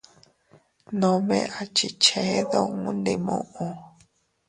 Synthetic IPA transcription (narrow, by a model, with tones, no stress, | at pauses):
nõ˧mẽ˦˧ʔa˨t͡ʃi˧˨t͡ʃe˨˦ðo˦˧ŋu˦nd̪i˧mõ̰˦˧ʔõ˧